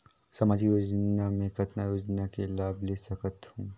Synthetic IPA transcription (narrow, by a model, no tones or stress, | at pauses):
sɐmaːd͡ʒijoːd͡ʒnamẽkɐt̪najoːd͡ʒnakelaːblesɐkət̪hũː